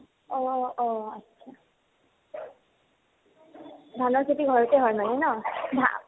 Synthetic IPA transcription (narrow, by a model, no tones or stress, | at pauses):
ɔɔətːʃʰa | dʱanɔɹkʰetiɡʱɔɹɔtɛɦɔjmanɛnɔdʱa̰